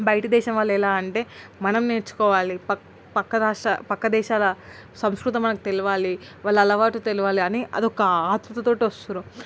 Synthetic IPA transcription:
bɐjʈɐd̪ɛːʃɐmʋaːlːɛlaːɐɳʈe̞ːmɐnɐmne̞ːɾt͡ʃːu̥kɔːʋaːlipɐ | pɐkːɐɾaːʂʈɐpɐkːɐd̪ɛːʃaːlɐ | sɐmskɾut̪̬ɐmɐnɐku̥t̪eluʋaːliʋaːɭːɐːlɐʋaːʈut̪e̞luʋaːliɐniʔɐ̰d̪ɔkɐaːt̪ɾut̪ɐt̪o̞ːʈiʋɐst̪uɾu

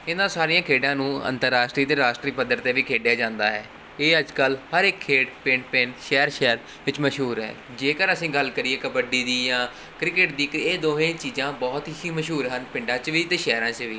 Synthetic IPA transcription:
ɪnãːsaːɾiːãːkʰeːɖãːnũːə̰̃nt̪əɾːaːʃʈɾiːt̪eːɾaːʃʈɾiːpəd̪əɾt̪eːʋiːkʰeːɖjaːd͡ʒãːnd̪a̰ːɦɛː | eːəd͡ʒkəlhəɾɪkʰːeːɖpɪɳpɪɳʃɛːəɾʃɛːɾ | ʋɪt͡ʃməʃɦuːɾɦɛ̰ː | d͡ʒeːkəɾəsĩːɡəlkəɾieːkəpəɖiːd̪iːjãː | kɾɪkɪʈd̪iːkeːd̪oːɦẽːt͡ʃiːzãːbɔːt̪ɦiiməʃɦuːɾɦənpɪ̃ɳɖãːt͡ʃʋiːt̪eːʃɛːɾãːt͡ʃʋiː

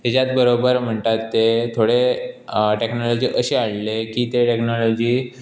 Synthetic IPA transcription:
t̪et͡ɕat̪̚bəɾobəɾm̤əɳt̪at̪ːet̪ʰoɽe | ʈeknɔlod͡ʑiːʔəɕeaɽlekiːt̪eʈeknɔlod͡ʑiː

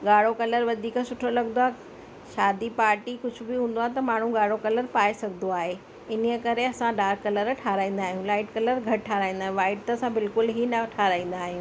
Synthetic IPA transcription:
ɠaːɽ̤okɐləɾʋɐd̪ʱiːksʊʈʰolɐɡnd̪oaːɦ | ʃaːd̪ipaːɾʈikʊd͡ʑʱʊ̆bɪɦũːn̆d̪oaːɦet̪ɐmaːɳ̤ũɠaːɽ̤okɐləɾpaːesɐɡʱnd̪oaːɦe | ɪniəkɐɾeɐsãɖaːɾkːɐləɾʈʰaːɾaːĩːn̆d̪aːɦijũlaːɪʈkɐləɾɡʱɐʈʈʰaːɾaːĩːn̆d̪aːɦẽʋaːɪʈ̚t̪ɐɐsãbɪlkʊlɦinɐʈʰaːɾaːĩːn̆d̪aːɦijũː

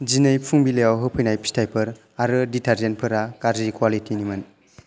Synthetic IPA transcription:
zinɯjpʰuŋbilejawɦɯpʰɯjnajpʰi̥stʰajpʰɯɾ | aɾɯditʰaɾzenpʰɯɾakaɾzikwalitinimɯn

